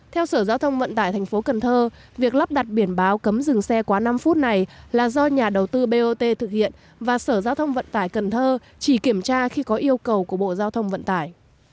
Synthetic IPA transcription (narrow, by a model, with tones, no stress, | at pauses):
t̪ʰɛ˧wsəː˧˩zaː˧wt̪ʰə˧wŋ͡mvə̰˧˨nt̪aː˧˩jt̪ʰɛ˨˩ŋ̟fo˨˦kə˨˩nt̪ʰəː˧ | vi˨˩ək̚la˦˥p̚ɗa˨˩t̚ɓi˧˩ənɓaː˨˦wkə˨˦mzɨ˨˩ŋsɛ˧kwaː˨˦na˧mfu˦˥t̚na˨˩jlaː˨˩zɔ˧ɲaː˨˩ɗə˨˩wt̪ɨ˧ɓe˧ʔo˧t̪e˧t̪ʰɨ˨˩k̚hḭ˧˨ən | vaː˨˩səː˧˩zaː˧wt̪ʰə˧wŋ͡mvə̰˧˨nt̪aː˧˩jkə˨˩nt̪ʰəː˧ | t͡ɕi˧˩ki˧˩əmt͡ɕaː˧xi˧kɔ˨˦ʔi˧əwkə˨˩wku˧˩əɓo̰˧˨zaː˧wt̪ʰə˧wŋ͡mvə̰˧˨nt̪aː˧˩˨j